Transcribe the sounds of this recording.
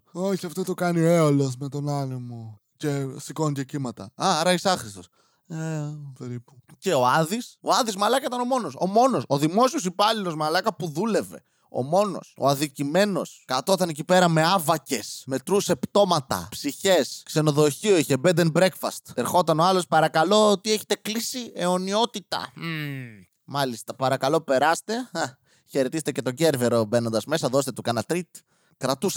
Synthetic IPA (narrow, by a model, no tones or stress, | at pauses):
o̞çiɐft̪ot̪okɐnioeolo̞s̬me̞t̪o̞nɐnemo | ce̞siko̞ncecimɐt̪ɐɐɐɾɐisɐxɾist̪o̞s | epeɾipu̥ce̞oɐðiso̞̰ɐðizmɐlɐkɐit̪ɐno̞mo̞no̞so̞mo̞no̞soðimo̞siosipɐlilo̞zmɐlɐkɐpuðule̞ve̞̰ | o̞̰mo̞no̞̰so̰ɐðicime̞no̞skɐt̪o̞t̪ɐnecipe̞ɾɐme̞ɐvɐce̞sme̞t̪ɾuse̞pt̪o̞mɐt̪ɐ̰psiçe̞skse̞no̞ðo̞çioiçebed̪enbɾe̞kfɐ̰st̪eɾxo̞t̪ɐno̞ɐlo̞spɐɾɐkɐlo̞ot̪ieçe̞t̪e̞klisie̞o̞nio̞t̪it̪ɐ̰ | mɐlist̪ɐpɐɾɐkɐlo̞pe̞ɾɐst̪e̞a | çe̞ɾe̞t̪izet̪ecet̪o̞ɟe̞ɾve̞ɾo̞be̞no̞nd̪ɐzme̞sɐðo̞st̪e̞t̪ukɐnɐt̪ɾit̪ | kɾɐt̪us